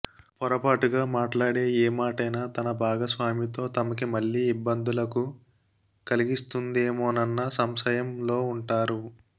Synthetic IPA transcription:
pɔɾɐpaːʈuɡaːmaːʈlaːɽe̞ːeːmaːʈɐjnaːt̪ɐnɐbʱaːɡɐsʋaːmit̪o̞ːt̪ɐmɐkimɐɭːiːibːɐnd̪ulɐku | kɐliɡist̪und̪eːmoːnɐnːɐsɐmsɐjɐmlo̞ːuɳʈaːɾu

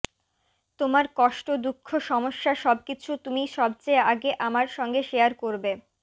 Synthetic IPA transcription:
t̪omaɾkɔʃʈod̪ukʰːoʃɔmoʃːaʃɔb̚kit͡ɕʰut̪umiʃɔb̚t͡ɕeeaɡeʔamaɾʃɔŋɡeʃejaɾkoɾbe

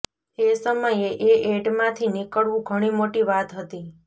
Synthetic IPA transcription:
t̪esəməjeʔeʔeɖmãt̪ʰinikəɭʋũɡʱəɽ̃imoʈiʋat̪ɦət̪i

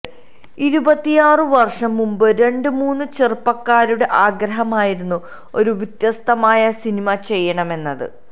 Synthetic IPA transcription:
iɾubɐt̪ːijaːrɨʋɐrʂɐmːumbɨɾe̞ɳɖɨmuːnːɨt͡ɕerpːɐkːaːɾuɽe̞ʔaːɡɾɐɦɐmaːjiɾunːu | o̞ɾuʋit̪jɐst̪ɐmaːjɐsinimɐt͡ɕe̞jːɐɳɐme̞nːɐðɨ̰

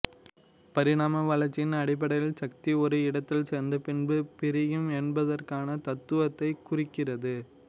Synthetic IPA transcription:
pɐɾɪɽaːmɐʋɐlɐɾt͡ʃːɪnɐɽɪp̬ːɐɽɐjɪlsɐk̚t̪iɔɾɯɪɽɐt̪ːɪlsɛɾnd̪ɐpɪɳbɯpɪɾɪjɯmɛnbɐðɐrkaːnɐt̪ɐt̪ːɯʋɐt̪ːɐɪkʊrɪkːɪrɐðɯ

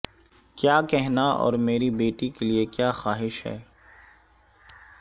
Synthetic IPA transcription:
kjaːkɛɦnaɔ̰ːɾmeːɾibeːʈikeliekjaːxaːɦɪʃɦɛ̰ː

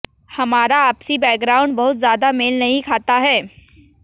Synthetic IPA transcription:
hɐmaːɾaːpsibɛːk̚ɡɾaːʊ̃ɳɖbɐɦʊt̪zjaːd̪ameːlnɐɦĩkʰaːt̪aɦɛː

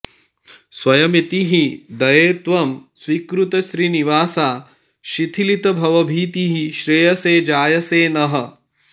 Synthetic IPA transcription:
sʋɐjɐmit̪iɦid̪ɐjeːt̪ʋɐmsʋiːkɾut̪ɐʃɾiːniʋaːsaː | ʃit̪ʰilit̪ɐbʱɐʋɐbʱiːt̪iɦiʃɾejɐseːd͡ʒaːjɐseːnɐɦɐ̆

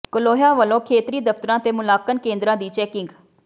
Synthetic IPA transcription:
kəloːɦjaːʋəlõːkʰeːt̪ɾiːd̪əft̪əɾãːt̪eːmʊlaːkənkẽːnd̪ɾãːd̪iːt͡ʃɛːkɪŋɡ

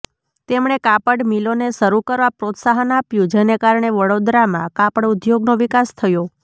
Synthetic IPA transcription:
t̪emɳ̃ekapəɽmiloneʃəɾukəɾʋapɾot̪saɦənapjũd͡ʒenekaɾɳeʋəɽod̪ɾamãkapəɽud̪joɡnoʋikast̪ʰəjo

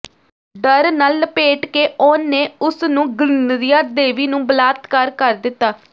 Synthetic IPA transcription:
ɖəɾnəlpeːʈkeːʔoːneːʊsnũːɡɾɪnɾijaːd̪eːʋiːnũːbəlaːt̪kəɾkəɾd̪ɪt̪ːaː

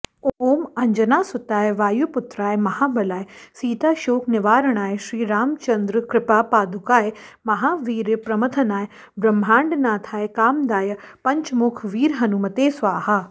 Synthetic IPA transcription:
ooːmɐ̃ɲd͡ʒənaːsʊt̪aːeʋaːjupʊt̪ɾaːemɐhaːbʱɐlaːesiːt̪aːʃoːknɪʋaːɾəɽ̃aːeʃɾiːɾaːmt͡ʃɐ̃nd̪ɾkɾɪpapaːd̪ʱʊkaːemɐɦaːʋiːɾpɾɐmət̪ʰənaːe | bɾɐmbʱãːɳɖnaːt̪ʰaːekaːmd̪aːjɐpɐ̃ɲt͡ʃmʊkʰʋiːɾɦɐnuːmɐt̪eːsʋaːhaː

